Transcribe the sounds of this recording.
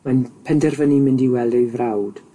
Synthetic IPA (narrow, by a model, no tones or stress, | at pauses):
manpʰɛndɛrvənimɪndiwɛlˠdejvrawd̥